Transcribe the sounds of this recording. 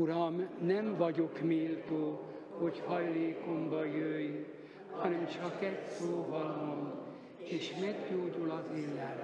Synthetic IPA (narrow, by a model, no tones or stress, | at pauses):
uɾɒmnɛmvɒɟokmiːlt̪oː | hochɒjleːkombɒjøːj | hɒnɛmt͡ʃɒkɛtproːvɒlom | eːʃmɛɡɟoːɟulɒzelːɛl